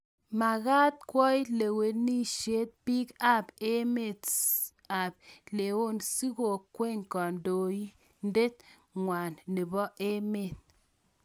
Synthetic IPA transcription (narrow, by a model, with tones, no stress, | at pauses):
ma˨ɣa˦t̚kwɔ˦i˦le˨we˨tni˦ʃe˦t̚pi˦ka˦pe˦me˨t | a˨b̚le˨wo˦˨nsi˦ɡo˨kwe˦˨ŋ˨kɔ˨ndo˨ji˦ | n̩˦de˦t̚ | ŋwʷa˨nːi˨bɔ˦ʔe˦me˦˨t̚